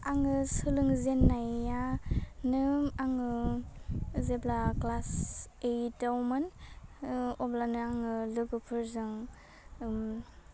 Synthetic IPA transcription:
aŋɯsɯlɯŋzenːajanɯmaŋɯ | zeblaklasejtawmɯn | ɔblanɯaŋɯlɯɡɯpʰɯɾzɯŋ | m

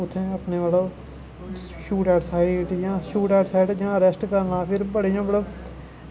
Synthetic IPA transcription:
ʊt̪ʰːẽːəpneːʋaːloː | ʃuːʈɛːʈsaːiʈjãːʃuːʈɛːʈsaːɪʈd͡ʒãːəɾɛsʈkəɾnãːpʰɪɾbəɽijãːbəɽoː

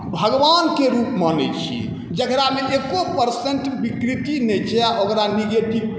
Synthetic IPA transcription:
bʱəɡʋankeɾupmanɛ̰t͡ʃʰḭ | d͡ʒəkɾameʔekopəɾsẽnʈbikɾit̪inɛt͡ʃʰɛaʔokɾaniɡeʈib

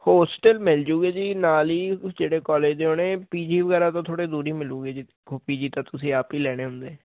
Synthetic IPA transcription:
hoːsʈɛːlmɪld͡ʒuːɡeːd͡ʒiːnaːliːd͡ʒeːɽeːkɔːleːd͡ʒd̪eːoːneːpiːd͡ʒiːʋəɡɛːɾaːt̪õːt̪ʰoːɽeːd̪uːɾiːmɪluːɡeːd͡ʒiː | piːd͡ʒiːt̪ãːt̪ʊsĩːaːpiːlɛːɽ̃eːɦʊnd̪eː

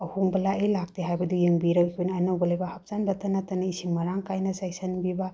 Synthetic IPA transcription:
ɐhuŋbɐlaejlak̚teɦajbɐdujeŋbiɾɐkkʰujnːnɐwɡɐlejbɐhɐp̚z̥anbɐtɐnatɐnɐisiŋmɐɾaŋkajnɐsajsɐnbiba

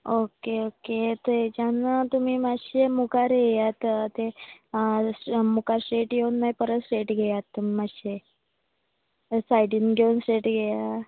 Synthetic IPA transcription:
okeoket̪ed͡ʑanət̪umiːmaɕemukaɾjejat̪t̪e | mukaɾsʈeʈjeunmaipəɾətsʈeʈɡʱejat̪ːumimaɕe | sajɖinɡʱeunsʈeʈɡʱeja

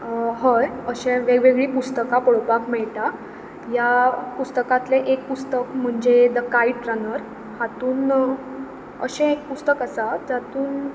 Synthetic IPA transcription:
ɦəɾəɕẽʋeɡʋeɡɭiːpust̪əkapɔɭpakmɛɭt̪a | japust̪əkãt̪leʔek̚pust̪əkm̤əɳd͡ʑed̪əkaiɖʈɾənəɾ | hat̪uːn | ə̰ɕẽek̚pust̪əkəsad͡zat̪uːn

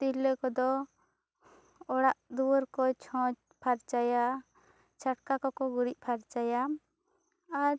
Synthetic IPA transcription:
t̪iləkɔd̪ɔ | ɔɽaʔd̪uwəɾkɔt͡ʃʰɔ̃t͡ʃ | pʰaɾt͡ʃaja | t͡ʃʰaʈkakɔkɔɡuɾic̚ˀpʰaɾt͡ʃaja | ɾ

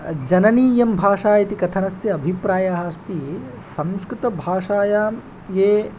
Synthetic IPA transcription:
d͡ʒɐnɐniːjɐmbʱaːʂaːjɐt̪ikɐt̪ʰɐnɐsjɐːbʱipɾaːjaɦaːst̪i | sɐmskɾut̪ɐbʱaːʂaːjaːm | jeː

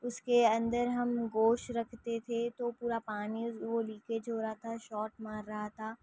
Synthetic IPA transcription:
ʊskeɐ̃nd̪əɾɦɐmɡoːʃɾɐkʰt̪et̪ʰet̪opuːɾapaːniʋoliːked͡ʒoːɾɐɦat̪ʰaʃɔːʈmaːɾːɐɦat̪ʰaː

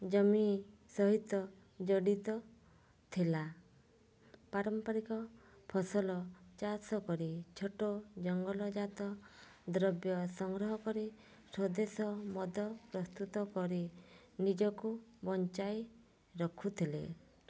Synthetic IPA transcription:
d͡ʒɔminsɔɦit̪ɔ | d͡ʒɔɽit̪ɔ | t̪ʰila | paɾɔmpaɾikɔ | pʰɔsɔlɔt͡ʃasɔkɔɾit͡ʃʰoʈod͡ʒɔŋɡɔlɔd͡ʒat̪ɔ | d̪ɾɔbjɔsɔŋɡɾɔɦɔkɔɾi | sɔd̪esɔmɔd̪ʱɔpɾɔst̪ut̪ɔkɔɾi | nid͡ʒɔkubɔnt͡ʃaj | ɾɔkʰut̪ʰilḛ

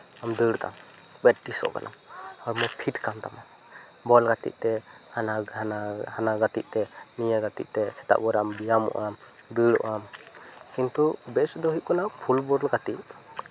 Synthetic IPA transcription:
amd̪ɨɽt̪a̰m | bɛʈ̚ʈisɔ̰ʔka̰nʔa̰mɔɾmɔpʰiʈkamt̪ama | bɔlɡat̪ḭʔ̚t̪ɛhanaanahanaɡat̪iʔ̚t̪ɛnijaɡat̪ḭʔ̚t̪ɛsɛ̥t̪a̰ʔbɔɾambijamɔ̰ʔam | d̪ɨɾɔ̰ʔamkint̪ubɛsd̪ɔɦuʔ̚kɔnapʰulbɔɾlɡat̪iʔ

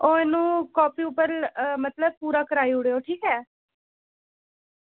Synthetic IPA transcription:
oːɛːnũːkɔːpiːʊpːəɾmət̪ləb̚puːɾaːkəɾaːiːʊɽeːoːʈʰiːkɛː

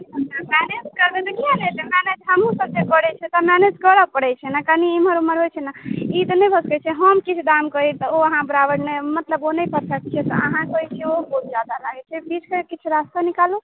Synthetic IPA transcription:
əmɛned͡ʒkəɾbed̪ekʰialelemɛned͡ʒɦəmũsəb̚d͡ʒekəɽɛt͡ʃʰɛt̪ɔmɛned͡ʒkəɾəpəɽɛt͡ʃʰɛnakəniimɦəɾuməɾɦojt͡ʃʰɛnait̪ɔnəjbʱəskɛt͡ʃʰɛɦəmkit͡ʃʰud̪amkəit̪ɔoəɦãbɾabəɽnemət̪ləbonəjpəɾsək̚t͡ʃʰɛt̪ɔ̰ə̰ɦãkəit͡ʃʰɛobot̪̚d͡ʒad̪alaɡɛt͡ʃʰɛbit͡ʃʰkekit͡ʃʰuɾast̪anikalu

